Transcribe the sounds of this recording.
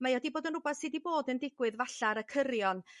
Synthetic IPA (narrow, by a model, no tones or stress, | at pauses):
majɔdiboːdənrʊbaθsɨdiboːdəndɪɡwɨðvaɬaɾəkʰəɾjɔn